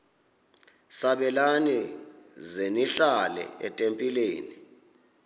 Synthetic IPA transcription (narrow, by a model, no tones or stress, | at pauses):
saɓɛlani | zeniɬalɛ̰ɛtʼempʼileːni